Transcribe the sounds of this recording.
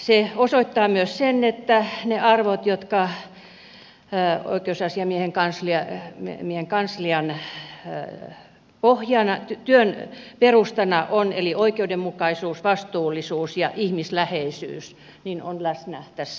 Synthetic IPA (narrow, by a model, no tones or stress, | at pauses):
seosoit̪ːɑːmyøssenet̪ːæneɑrʋot̪jot̪kɑ | o̰ikeusɑsiɑmieheŋkɑnsliɑmieheŋkɑnsliɑn | pohjɑnɑt̪t̪yøn | perust̪ɑnɑʔoneliʔoikeudemmukɑisuːsʋɑst̪uːlːisuːsjɑʔihmislæheisy̰ːs | nino̰nlæsnæht̪æs